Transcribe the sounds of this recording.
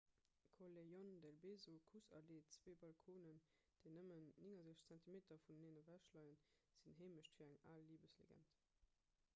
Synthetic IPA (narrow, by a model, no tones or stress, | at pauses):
kʰolejɔndælbeːzokʰusɑ̰leːt͡sveːbɑlkʰoːnən | d̥eɪnəmənːiŋɐzeʃt͡sæntimeːtɐfunneːnəvæʃlɑɪənz̥inɦeːməɕtfiːɐæŋa̰ːlːiːbəslḛɡæ̰nt